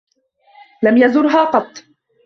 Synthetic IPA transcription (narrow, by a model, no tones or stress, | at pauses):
lamjazʊɾɦaːqɑt̪ˤː